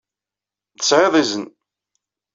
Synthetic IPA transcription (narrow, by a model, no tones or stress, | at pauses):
ðəsʕeðˤizən